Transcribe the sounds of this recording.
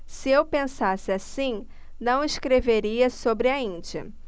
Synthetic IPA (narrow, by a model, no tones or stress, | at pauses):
sɪewpẽsasɪasĩ | nɐ̃w̃ɪskɾeveɾiɐsobɾɪɐĩd͡ʒiɐ̰